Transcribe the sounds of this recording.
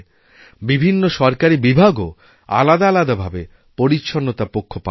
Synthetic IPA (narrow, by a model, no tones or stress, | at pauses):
bibʱinːoʃɔɾkaɾibibʱaɡo | a̰lad̪aalad̪abʱabe | poɾitːʃʰonːot̪apokʰːopa